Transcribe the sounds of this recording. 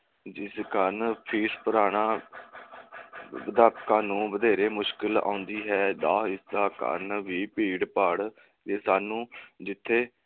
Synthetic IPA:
d͡ʒɪskəɾnpʰiːɾpəɾaːɳaː | əd̪aːɾpkãːnũːʋəd̪eːɾeːmʊʃkɪlã̰ːʊnd̪iːɦɛːd̪aːɪsd̪aːkə̰ɾnʋiːpiːɽpəɽ | t̪eːsaːnũːd͡ʒɪt̪ʰːeː

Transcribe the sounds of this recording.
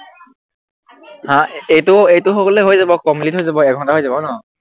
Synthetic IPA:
hãejtʊejtʊxɔkɔlejɦojzabɔkɔmplitɦojzabɔɛk̚ɡʱɔntaɦojzabɔnɔ

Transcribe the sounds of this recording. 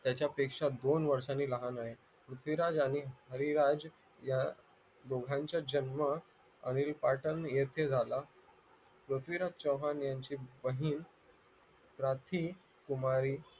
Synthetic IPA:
t̪jat͡ɕjapekʂad̪onʋəɾʂaniːləɦanaɦe | pɾut̪ʰʋiɾad͡zaɽ̃iɦəɾiɾad͡ʑ | ja | d̪oɡʱãɲt͡ɕjad͡ʑənmə | ə̰ɽ̃iɾipaʈənjet̪ʰed͡zʱala | pɾut̪ʰʋiɾad͡ʑt͡ɕəwɦanjaɲt͡ɕiːbəɦiːn | pɾat̪ʰiː | kumaɾiː

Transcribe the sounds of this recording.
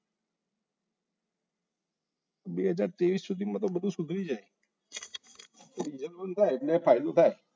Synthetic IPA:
ɓeːɦəd͡ʒaːɾt̪eːʋiːsːʊd̪ʱimãːt̪oɓəd̪ʱũsʊk̪ʰɾiːd͡ʒaːe | ɾiːd͡ʒəlbənt̪ʰaːeɪʈlepʰaːɪd̪ũt̪ʰaːe

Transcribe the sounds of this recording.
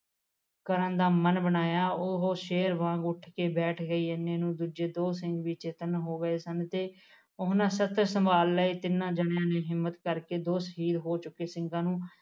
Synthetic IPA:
kəɾə̃ːd̪aːmənbənaːjaːʊɦoːʃeːɾʋãːɡʊʈʰkeːbɛːʈʰɡəiːənːeːnũːd̪uːd͡ʒeːd̪oːsɪ̃ŋɡʋiːt͡ʃeːt̪ənɦoːɡəeːsənt̪eː | ʊɦnãːsət̪əɾsəmbaːlːəiːt̪ɪnːãːd͡ʒəɳjãːneːɦɪmːət̪kəɾkeːd̪oːsɦiːd̪ɦoːt͡ʃʊkːeːsɪŋɡãːnũː

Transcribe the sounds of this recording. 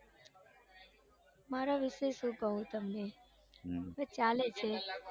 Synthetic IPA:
maɾaʋɪʃeʃũkəɦũt̪əmne | ʋet͡ʃalet͡ʃʰe

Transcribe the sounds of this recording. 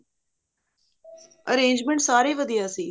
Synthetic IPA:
ə̰ɾẽːnd͡ʒmẽɳʈsaːɾeːʋəd̪ijaːsiː

